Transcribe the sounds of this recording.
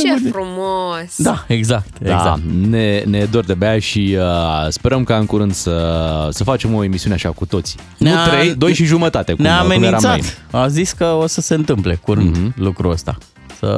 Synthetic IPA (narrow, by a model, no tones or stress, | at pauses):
ɾumosd̪aeɡzak̚t̪ḛzza̰nene̞d̪ord̪ebeaʃiəspe̞ɾəmkaɨŋkuɾɨnd̪səsəfat͡ʃe̞mo̞emisiuneaʃakut̪o̞t̪si̥ | neuat̪ɾejd̪o̞jʃiʒumət̪at̪ekneaːmenieɾamsat̪aziskəo̞səse̞ɨnt̪ɨmple̞kuɾɨnd̪lukɾuəst̪a̰ | sə̰